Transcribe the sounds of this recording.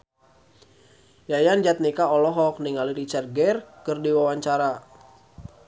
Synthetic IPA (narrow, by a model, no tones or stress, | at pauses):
jajand͡ʒat̪̚nikaɔlɔɦɔk̚niŋaliɾit͡ʃɛrɡɛrkɨrdiwawaɲt͡ʃaɾa